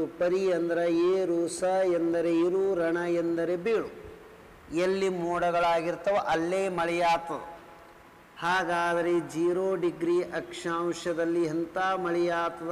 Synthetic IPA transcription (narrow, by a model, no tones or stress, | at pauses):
upɐɾiɐnd̪ɐɾɐeːɾuːsɐend̪ɐɾeiɾuɾɐɳɐend̪ɐɾebiːɭu | elːimuːɽɐɡɐɭaːɡiɾt̪ɐʋɐʔɐlːeːmɐɭɛjaːt̪ɐd̪u | haːɡaːd̪ɐɾed͡ʒiːɾoːɖiɡɾiːʔɐkʂaːmʃɐd̪ɐlːiɦɐnt̪aːmɐɭɛjaːt̪ɐ